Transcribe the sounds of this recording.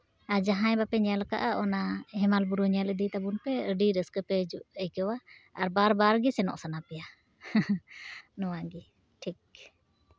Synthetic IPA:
aɾd͡ʒaɦãjbapɛɲalka̰ʔaʔɔnaɦɛmalbuɾuɲaləd̪it̪abunpɛəɖiɾəskəpɛd͡ʒuʔəjkɛwaːɾbaɾbaɾɡisɛnɔ̰ʔsanapɛja | nɔwaɡi | ʈʰik̚

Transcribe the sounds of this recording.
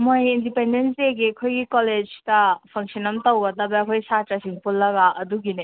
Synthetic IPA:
mojindipendenseɡekʰojɡikɔled͡ʒtɐpʰɐŋsinɐmtɔwbɐdɐbekʰojsatasiŋpulːɐɡaʔɐduɡine

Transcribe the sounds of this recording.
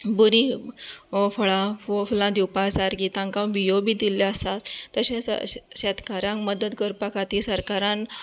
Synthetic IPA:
buɾĩ | fəɭafulãd̪iwpasaɾkit̪ãŋkãʋijobid̪iljaəsat̪t̪əɕẽsɕɛt̪kaɾãŋkməd̪əd̪kəɾpakʰat̪isəɾkaɾãn

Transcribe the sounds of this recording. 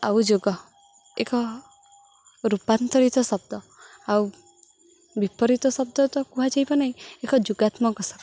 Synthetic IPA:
a̰wd͡ʒoɡɔ | ekɔ | ɾupant̪ɔɾit̪ɔsɔb̚d̪ɔ | aw | bipɔɾit̪ɔsɔb̚d̪ɔt̪ɔkuɦad͡ʒajbanaĩekɔd͡ʒuɡat̪mɔkɔsab

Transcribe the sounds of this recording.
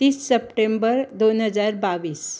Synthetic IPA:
t̪iːsːəpʈembəɾd̪onɦəd͡zaɾbaʋiːs

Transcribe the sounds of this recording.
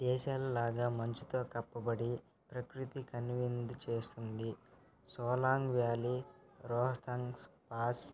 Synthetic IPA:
d̪̥ɛːʃaːlɐlaːɡaːmɐɲt͡ʃit̪o̞ːkɐpːɐbɐɽi | pɾɐkɾit̪ikɐnʋind̪ut͡ʃeːst̪und̪i | sɔːlaːŋɡʋjaːli | ɾɔːɦɐt̪ɐŋspaːs

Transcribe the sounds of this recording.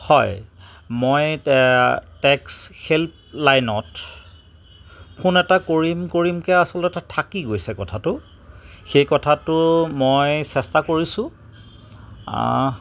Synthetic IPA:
hɔj | moj | tɛksxelp̚ | lajnɔt | pʰunɛtakoɹimkoɹimkɛasɔlɛtatʰakiɡojsɛkɔtʰatʊ | xejkɔtʰatʊmojsɛstakoɹisʊ̃ | a̰

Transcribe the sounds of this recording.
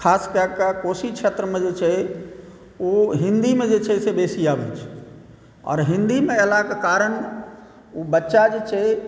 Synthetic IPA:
kʰaːskakakoːsit͡ʃʰeːt̪ɾəmẽd͡ʒet͡ʃʰe | oɦɪ̃nd̪imẽd͡ʒet͡ʃʰɛsebeːsiaːʋɛ̰ːt͡ʃʰ | ɔ̰ːɾɦɪ̃nd̪imẽelakkaːɾən | ubətːʃad͡ʒet͡ʃʰe

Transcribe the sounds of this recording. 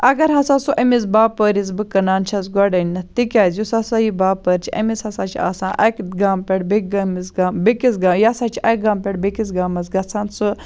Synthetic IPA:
ɐɡɐɾɦɐsaːsuʔɐmizbaːpəːɾiz̬bɨkɐnaːnt͡ʃʰɐzɡɔɖɐnʲːɐt̪ikʲaːzjusɐsajibaːpəɾt͡ʃʰiɐ̰mishɐsaːt͡ʃʰia̰ːsãːʔɐkɡaːmpʲeɽbik̚ɡɐmizɡaːmbikizɡaːmjasaːt͡ʃʰiʔɐk̚ɡaːmpʲeɽbikiz̬ɡaːmɐz̬ɡɐt͡sʰaːnsɨ

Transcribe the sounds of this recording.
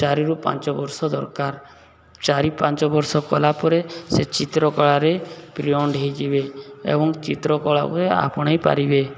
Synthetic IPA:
t͡ʃaɾiɾupa̰nt͡ʃɔbɔɾsɔd̪ɔɾkaɾ | t͡ʃaɾipant͡ʃɔbɔɾsɔkɔlapɔɾeset͡ʃit̪ɾɔkɔɭaɾepɾiɔɳɖʱɦejd͡ʒibeḛbɔŋt͡ʃit̪ɾɔkɔɭakuɾea̰pɔɽ̃ajpa̰ɾibe

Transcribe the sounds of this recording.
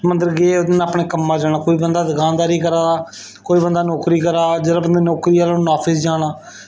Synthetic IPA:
mənd̪əɾɡeːod̪naːpɳeːkəmːãːd͡ʒaːɽ̃aːkoːiːbənd̪aːd̪əɡaːnd̪aːɾiːkəɾaː | koːiːbənd̪aːnoːkɾiːkəɾaːd͡ʒeːdaːbənd̪aːnoːkɾiːaːlonaːpʰɪsd͡ʒaːɽaː

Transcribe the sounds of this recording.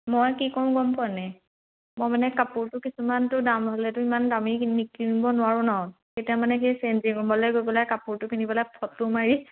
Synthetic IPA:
mɔjkikɔɹʊ̃ɡɔmpɔnɛ | mɔjmanɛkapuɹtʊkisumantʊdamɦolɛtʊimandaminikːinibɔnʊwaɹʊ̃nɔɦɔj | xetijamanɛxejsenziɡɔmbɔlɛɡojbɔlajkapuɹtʊpʰinibɔlajpʰɔtːʊmaɹi

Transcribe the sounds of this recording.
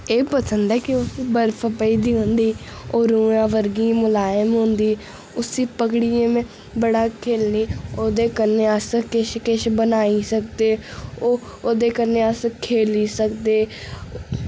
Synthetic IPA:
eːpəsənd̪ɛːkɪʊsbəɾpʰəpəiːd̪iːɦõnd̪iː | oːɾuːãːʋəɾɡĩːmʊlaːjəmɦʊ̃nd̪iː | ʊsiːpəkɽiẽːmẽː | bəɽaːkʰeːlniːoːd̪eːkəɾneːəskɪʃkɪʃbənaːiːsək̚d̪eːoː | oːd̪eːkəɾneːəskʰeːliːsəkd̪eː

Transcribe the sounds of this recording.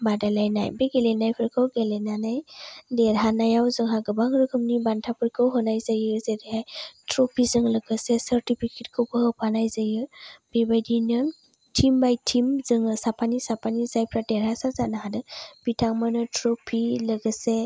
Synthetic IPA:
badalajna̰jbeɡelenajpʰɯɾkʰɯwɡelenanajdeɾɦanajawzɯŋɦaɡɯbaŋɾɯkʰɯmnibantʰapʰɯɾkʰɯwɦɔnajzajɯzediɦajtʰɾopʰizɯŋlɯɡɯsesəɾtipʰiketkʰɯwpɯhɯpʰanajzajɯb̥ebajdinɯ | tʰimbajtʰimzɯŋɯsapʰanisapʰanizajpʰɾadeɾhasazanaɦadɯb̥itʰaŋmɯnɯtʰɾɔpʰilɯɡɯse

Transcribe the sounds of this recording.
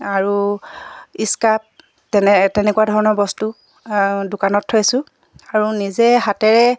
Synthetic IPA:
aɹu | iskap̚ | tɛnɛtɛnɛkuwadʱɔɹɔnɔɹbɔstu | dʊkanɔtʰːojsʊ̃ | aɹunizɛɦatɛɹɛ

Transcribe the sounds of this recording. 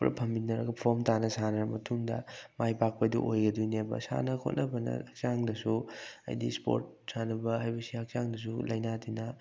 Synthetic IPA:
pɾɐ̰pʰɐmbinɐɾɐɡɐpʰomtanɐsanɐɾɐmɐtʰuŋdɐ̰majpak̚pɐdṵʔojɡɐdujnebɐ̰sa̰nɐkʰo̰t̚nɐbɐnɐ̰ɐk̚t͡ʃaŋdɐsuɐ̰jdḭspo̰ɾt̚ | sanɐbɐɦajbɐsiɐk̚t͡ʃaŋdɐs̬ulɐjnatinɐ

